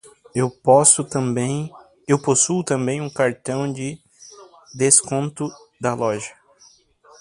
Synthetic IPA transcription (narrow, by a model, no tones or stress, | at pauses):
ewpɔsʊt̪ɐ̃bẽj̃ | ewposuʊt̪ɐ̃mbẽj̃ũkaɾt̪ɐ̃w̃d͡ʒɪ | d̪eskõnt̪ʊ | d̪ɐlɔʒɐ